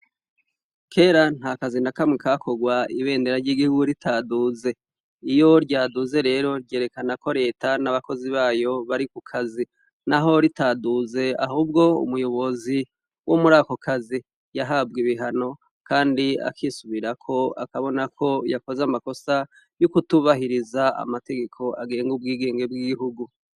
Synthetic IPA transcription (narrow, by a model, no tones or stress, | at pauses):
kʰe̞ːɾan̥hakazinakamŋikakʰo̞ɡwaiβe̞ːndeɾaɾɟiɡihuɡuɾitʰaːduːze̞ | ijo̞ɾɟaːduze̞ɾe̞ːɾo̞ɾɟeːɾe̞kanakʰo̞ɾe̞ːtanaβako̞ziβaːjo̞βaɾikukʰazi | naɦo̞ɾitaːduze̞a̰ɦuːb̚ɡo̞ṵmujo̞βo̞zi | womuɾaːko̞kʰazi | jaɦab̚ɡiβiɦano̞ | kaːndia̰kʰisuβiɾakʰo̞a̰kaβo̞nakʰo̞jako̞zamako̞sa | jukutuβaɦiɾizaa̰mate̞ɡe̞kʰo̞ʔaɡe̞ːŋɡub̚ɡiːɡe̞ːŋɡe̞bɡiɡiɦuɡu